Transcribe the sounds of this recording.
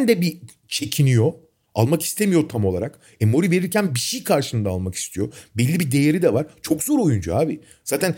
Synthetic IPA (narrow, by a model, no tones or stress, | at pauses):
nd̪ɛbi | t͡ʃʰe̞cʰinijo̞ | alˠmaki̥st̪ʰe̞mijo̞t̪ʰamo̞lˠaɾak | emo̞ɾive̞ɾiɾcʰænbiʃejkʰaɾʃɯnd̪aːlˠmaki̥st̪ʰijo̞bɛlʲːibid̪e̞jeɾid̪ɛvaɾt͡ʃʰo̞kzo̞ɾo̞jund͡ʒaaːbi | z̥aːt̪ʰæn